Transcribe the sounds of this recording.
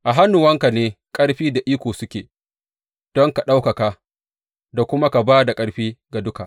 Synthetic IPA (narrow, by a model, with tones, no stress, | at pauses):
ʔa˨ɦa˦nːʊ˨wɐ˦ŋka˨neː˦ | kʼɐ˦ɽɸiː˦da˨ʔiː˦kʷoː˨sʊ˦kʲeː˨ | d̥ɔ˦ŋka˨ɗa˦wka˨ka˦ | da˨kʷʊ˦ma˦ka˨baː˦da˨kʼɐ˦ɽɸiː˦ɡa˨dʊ˦ka˨ʔ